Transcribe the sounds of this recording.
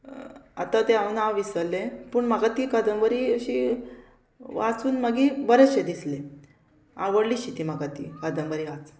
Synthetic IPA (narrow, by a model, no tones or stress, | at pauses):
a̰t̪at̪eanaʋisəlːẽpuɳmaɡat̪iːkad̪əmʋəɾiːəɕi | ʋat͡suːnməɡibəɾət͡sɕed̪isle | a̰ʋəɽliɕit̪imaɡat̪ḭkəd̪əmʋəɾiʋat͡s